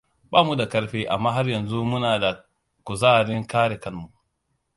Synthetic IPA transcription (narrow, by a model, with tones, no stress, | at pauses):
baː˦mu˦da˨kɐ˦ɾɸeː˦ʔa˨mːaː˦ɦa˦rjɐ˨nzu˦mʊ˦naː˨da˨ | kʊ˨zaː˦˨ɾɪ˦ŋkaː˦ɽe˨kɐ˦nmu˨ʔ